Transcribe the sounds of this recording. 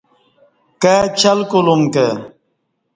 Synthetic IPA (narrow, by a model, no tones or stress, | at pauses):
ket͡ɕʰɐlkulumke